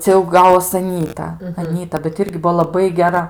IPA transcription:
ˈt͡sʲɛ jɛʊ ˈɡɑːʋoːs ɐˈnʲiːtɐ ɐˈnʲiːtɐ bʲɛt ˈɪrʲɡʲɪ ˈbuɔ lˠɐˈbɐɪ ɡʲɛˈrɐ

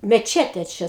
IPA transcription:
mʲɛˈt͡ʃʲæːtʲeː ˈt͡ʃʲɛ

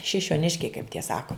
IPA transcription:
ʃʲɪʃʲoːˈnʲɪʃʲkʲɛɪ kɐɪp tʲiɛ ˈsɑːkoː

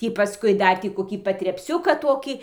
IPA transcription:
ˈtʲiː pɐˈskʊɪ ˈdɐr tʲiː koːˈkʲiː pɐtʲrʲɛpʲˈsʲʊkɑː ˈtoːkʲiː

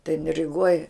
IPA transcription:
tɐɪ jɪn rʲɪˈɡoːj

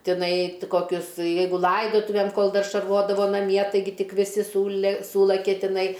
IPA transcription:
tʲɪˈnɐɪ t koːˈkʲʊs ˈjɛɪɡʊ ˈlˠɐɪdoːtʊʋʲeːm koːlˠ ˈdɐr ʃɐrˈʋoːdɐʋoː nɐˈmʲiɛ tɐɪˈɡʲɪ ˈtʲɪk ʋʲɪˈsʲɪ ˈsuːlʲɛ ˈsuːlˠɐkʲɛ tʲɪˈnɐɪ

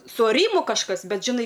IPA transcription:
sʊ ɐˈrʲiːmʊ kɐʃˈkɐs ˈbʲɛt ʒʲɪˈnɐɪ

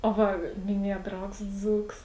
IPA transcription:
oː ˈʋɐ mʲɪˈnʲiɛjɛ ˈdrɐʊks ˈd͡zuːks

